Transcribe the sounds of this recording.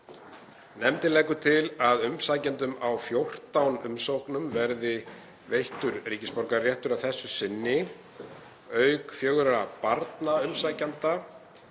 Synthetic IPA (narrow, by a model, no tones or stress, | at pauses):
nɛmt̪ɪlɛːkʏt̪ʰɪlaðʏmsaːjcant̪ʏmawfjowr̥t̪awnʏmsowknʏmvɛɾðɪ | vejht̪ʏɾriːcɪspɔɾkarjɛht̪ʏɾawθɛsːʏsɪnːɪ | œɥkfjœɣɾapaɾt̪naʏmsaːjcant̪a